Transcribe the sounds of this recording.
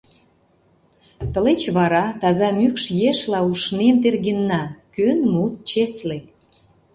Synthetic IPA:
t̪əlet͡ɕβɑɾɑt̪ɑzɑmykʃjeʃlɑuʃnent̪erɣenːɑkønmut̪̚t͡ɕesle

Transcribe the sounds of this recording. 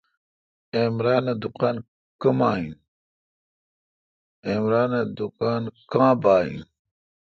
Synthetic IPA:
emɾaːned̪ukaːn | kɐmaːĩn | eːmɾaːned̪ukaːnkãːbaːḭ̃n

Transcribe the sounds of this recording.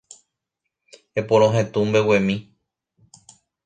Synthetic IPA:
epõɾ̃õɦẽt̪ũmbewẽmĩ

